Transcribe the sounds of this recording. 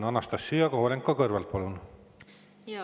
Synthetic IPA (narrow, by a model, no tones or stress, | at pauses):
nɑnɑst̪ɑsːyjɑkowlʲeŋkːokɤrvelt̪̚pɑlun